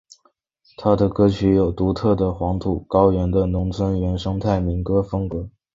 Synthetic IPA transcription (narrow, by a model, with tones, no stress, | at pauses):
t̪ʰa˥d̪ə˨kɤ˥t͡ɕʰy˧˥jo˨˩ʊt̪u˧˥t̪ʰɤ˥˩d̪ə˩xwɑ˧˥ŋt̪ʰu˨˩kɑ˥ʊɥɛ˧˥nd̪ə˧nʊ˧˥ŋt͡sʰwə˥nɥɛ˧˥nʂɤ˥ŋt̪ʰa˥˩ɪmi˧˥ŋkɤ˥fɤ˥ŋkɤ˧˥